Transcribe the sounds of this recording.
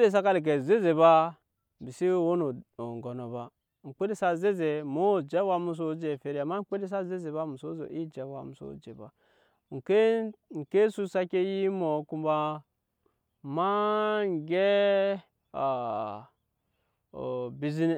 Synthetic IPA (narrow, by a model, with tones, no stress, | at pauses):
de˦˨s̬a˦ka˦li˨k̬e˨ze˦ze˨ba˦ | bi˨si˦˨wo˦no˨ŋ˨ɡo˨no˨ba˨ | ŋ͡m̩˨k͡pe˦de˦sa˦ze˦ze˨mo˦˨d͡ʒe˦wa˦mu˦s̬o˦d͡ʒe˨fe˨ɾi˦˨a˨ma˦k͡pe˦de˦s̬a˦ze˦ze˨ba˦mu˨so˦zo̰˨ʔi˦d͡ʒe˨wa̰˨mu˨so̰˦d͡ʒḛ˨ba̰˨ | ŋ̩˨ke˦ŋ̩˨ke˦su˦sa˦ke˦ji˦mo˨˦ku˦mba˦ | ma˦ŋ˨ɡe˦ | a˨ | bi˨zi˦n˦